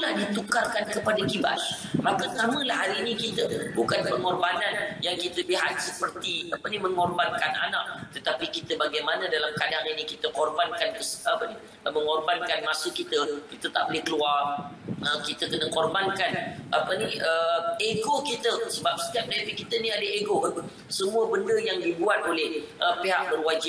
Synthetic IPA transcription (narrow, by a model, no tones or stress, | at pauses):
lahdit̪ukarkankəpadakiba̰s | makət̪aməlahɦaɾinĩkit̪əbukanpəŋɔrbananjaŋkit̪əbiɦa̰t̪̚səpərt̪iapənimə̃ŋɔrbankana̰naʔ̚t̪ət̪apikit̪əbaɡajmanadalamkadaŋinikit̪əkɔrbankankəsapəni | mə̃ŋɔrbankanmasukit̪əkit̪ət̪a̰ʔbolehkəluarəkit̪əkənəkɔrbankanapəniəeɡokit̪əsəbap̚sə̥t̪iat̚nefikit̪əniadəeɡoə | səmuəbəndəjaŋdibuat̪̚olɛhʔəpeɦaʔ̚bərwad͡ʒi